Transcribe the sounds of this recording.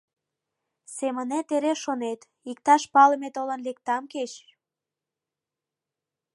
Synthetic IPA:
semənet̪eɾeʃonet̪ | ik̚t̪ɑʃpɑləmet̪olə̆nlek̚t̪ɑmket͡ɕ

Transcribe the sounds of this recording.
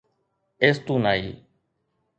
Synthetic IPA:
eːst̪ũːnaːḭː

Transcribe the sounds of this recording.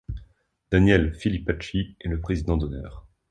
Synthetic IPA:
d̪̥anjɛlfilipat͡ʃiɛləpχezid̪ɑ̃d̪ɔnœ̰ːʁ

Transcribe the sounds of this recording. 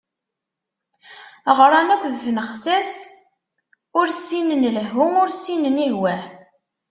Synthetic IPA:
ʁɾˤɑnækʷðθnəχsæs | ʊɾsinənlɦʊmʊɾsinənihwæħ

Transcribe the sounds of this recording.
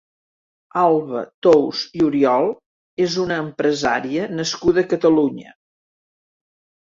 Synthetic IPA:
alˠβə̰t̪owziuɾiɔlˠ | ezunəːmpɾəza̰ɾiənəskuðəːkət̪əluɲə̰

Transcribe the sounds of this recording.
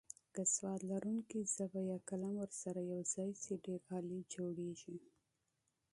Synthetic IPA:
ɡəswɑt̪laɾuŋkizəbajakalamwəɾsaɾajawzɑjseɖeɾɣɑlid͡ʒoɽeʒi

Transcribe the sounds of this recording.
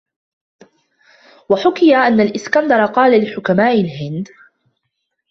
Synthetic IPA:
waħʊkɪjaʔanːalʔɪskand̪ɑɾˤɑqɑːlalɪħʊkamaːʔɪlɦɪnd̪

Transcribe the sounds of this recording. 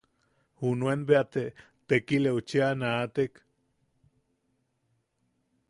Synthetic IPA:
hunuenbeat̪e | t̪ekileut͡ʃeanaːt̪ek

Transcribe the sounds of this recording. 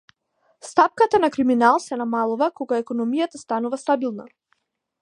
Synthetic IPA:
st̪ap̚kat̪anakɾiminalˠsɛnamalˠuvakɔɡaɛkɔnɔmijat̪ast̪anuvast̪abilˠna̰

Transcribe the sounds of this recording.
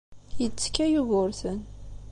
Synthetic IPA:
jət͡sːkːæjuɣʊɾθən

